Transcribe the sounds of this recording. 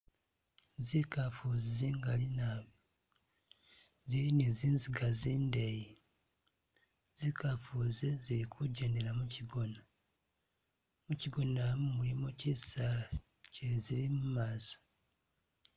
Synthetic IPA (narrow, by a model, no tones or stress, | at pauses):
zikafuziziːŋɡalina | ziɾineziːnziɡaziːndeji | z̥ikafuːziziɾikʰuɟeneɾamuciɡona | muciɡo̞namumulimocisa | ceziɾimumaːzo̥